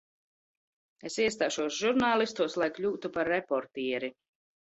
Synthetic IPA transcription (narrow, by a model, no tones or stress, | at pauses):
esiɛst̪aːʃuɔsʒuɾnaːlˠist̪uɔslˠajklʲuːt̪upaɾːepɔɾt̪iɛɾi